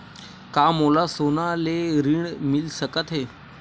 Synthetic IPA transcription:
kamolasonaleɾiɳmilsəkət̪ɦe

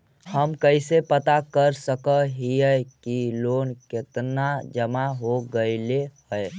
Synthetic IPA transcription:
həmkəɪsepət̪akəɾsəkəɦijəjkilonket̪nad͡ʒəmaɦoɡəɪlehəj

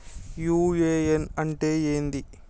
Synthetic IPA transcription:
juːeːenɐɳʈeːeːnd̪i

